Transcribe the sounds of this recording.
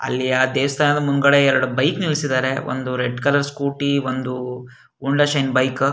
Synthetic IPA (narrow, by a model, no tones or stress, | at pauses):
ɐ̰lːiaːd̪eːʋɐst̪ʰaːnɐd̪ɐmunɡɐɽeɛɾɐɽubɐjknilsid̪aːɾe̞ʋo̰nd̪uɾeɖkɐlɐɾskuːʈiʋond̪u | uɳɖɐʃɐjnbɐjk